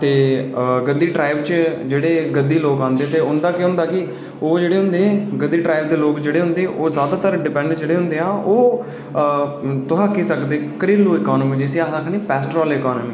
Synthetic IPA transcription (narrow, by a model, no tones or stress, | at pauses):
t̪eːɡəd̪ːiːʈɾaːɪbt͡ʃd͡ʒeːɽeːɡəd̪ːiːloːkãːnd̪eːt̪eːʊnd̪aːkɪɦʊ̃nd̪aːkɪ | oːd͡ʒeːɽeːɦʊ̃nd̪eːɡəd̪ːiːʈɾaːɪbd̪eːloːkd͡ʒeːɽeːɦʊ̃nd̪eːʔoːzjaːd̪aːt̪əɾɖɪpɛ̃ːɳɖd͡ʒeːɽeːɦʊ̃nd̪eːãːʔoː | t̪ʊɦaːkiːsəkd̪eːkəɾiːlːuːɪkɔːnəmiːd͡ʒɪsiːaːsaːkʰɳiːpɛːsʈɾɔːleːkɔːnmiː